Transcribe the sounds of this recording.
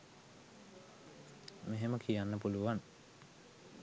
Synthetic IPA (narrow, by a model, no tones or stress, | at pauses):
meɦeməkʰijanːəpuluʋan